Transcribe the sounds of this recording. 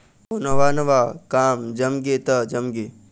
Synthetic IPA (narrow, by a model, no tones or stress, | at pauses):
oːnɐʋaːnɐʋaːkaːmd͡ʒɐmɡet̪ɐd͡ʒɐmɡeː